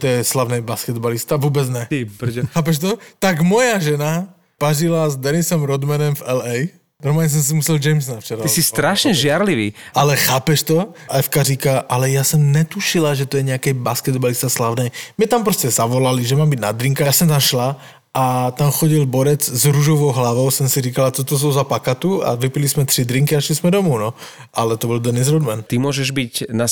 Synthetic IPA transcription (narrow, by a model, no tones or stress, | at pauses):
t̪ɔjɛslaʊnɛjbaskɛd̪balist̪aʋʊɔːbɛd͡zɲɛt̪pɾɛxaːp̬ɛʃt̪ɔt̪aɡmɔjaʒɛna | paʒilazd̪ɛnisɔmɾɔd̪manɛmvɛlɛj | ɾɔmaɲɛs̬ɔns̬imusɛld͡ʒɛjms̬naft͡ʃɛɾaisist̪ɾaʃɲɛʒɪaɾliʋḭʔalɛxaːpɛʃt̪ɔɛfkaɾikaʔalɛjasɔmɲɛt̪uʃilaʒɛt̪ɔjɛɲɛakɛjbaskɛd̪balist̪aslaʊnɛjmɲɛt̪ampɾɔscɛzaʋɔlaliʒɛmaːmbiɟnad̪ɾiŋkasɔmt̪amʃla | ʔat̪amxɔɟilbɔɾɛd͡zzɾuʒɔʋɔʊɦlaʋɔʊsɔmsiɾiːkalat̪ɔt̪ɔs̬ɔʊzapakat̪ua̰ʋipilismɛt̪ɾid̪ɾiŋkiaʃlizmɛd̪ɔmuːnɔ | ʔalɛt̪ɔbɔld̪ɛnizɾɔd̪mant̪imʊɔʒɛʒbicna